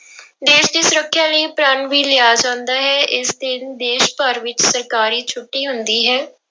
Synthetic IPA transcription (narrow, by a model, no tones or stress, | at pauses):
d̪eːʃd̪iːsʊɾəkʰːjãːləiːpɾãːɳʋiːlɪjaːd͡ʒãːnd̪aːɦɛːʔɪsd̪ɪnd̪eːʃpəɾʋɪt͡ʃsəɾkaːɾiːt͡ʃʰʊʈːiːɦʊnd̪iːɦɛː